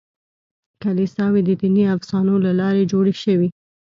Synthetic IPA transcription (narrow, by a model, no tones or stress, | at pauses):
kalisɑwed̪əd̪iniafsɑnolalɑɾed͡ʒoɽeʃəwi